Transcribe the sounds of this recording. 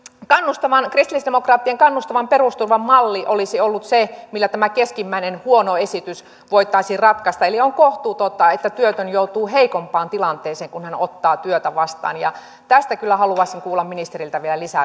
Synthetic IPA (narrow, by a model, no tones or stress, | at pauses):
kɑnːust̪ɑʋɑnkrist̪ilisd̥emokrɑːt̪ːieŋkɑnːust̪ɑʋɑmperust̪urʋɑmmɑlːiʔolisiolːut̪semilːæt̪æmækeskimːæinenhuonoesit̪ys | ʋoit̪ːˑɑisirrɑt̪kɑst̪ɑelioŋkoht̪uːt̪ot̪ːɑet̪ːæt̪yøt̪ønjout̪uːɦeikompɑːnt̪ilɑnt̪eːseːŋkunhænot̪ːɑːt̪yøt̪æʋɑst̪ɑ̰ːnjɑ̰ | t̪æst̪ækylːæhɑluɑisiŋkuːlːɑmminist̪erilt̪æʋielælisæ